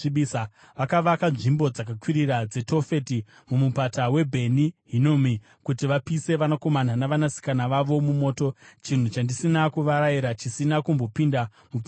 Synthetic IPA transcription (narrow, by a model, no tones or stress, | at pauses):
iɓisa | ʋakaʋakanʐimbo̞d͡zakakwiɾiɾad͡ze̞to̞fe̞ti | mumupatawe̞bʱe̞niɦinomi | kutiʋapise̞ʋanako̞man̤anaʋanasi̥kanaʋaʋo̞mumo̞ːto̞t͡ʃin̤ut͡ʃandisinakuʋaɾaiɾat͡ʃisinakumbo̞pinda | mu